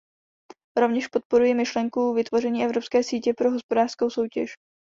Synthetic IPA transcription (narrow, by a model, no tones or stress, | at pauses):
ɾo̞vɲɛʃpo̞t̪̚po̞ɾujɪmɪʃlɛŋkuvɪt̪vo̞rɛɲiːʔɛvɾo̞pskɛːsiːcɛpɾo̞ɦo̞spo̞daːr̥sko̞wso̞wcɛʃ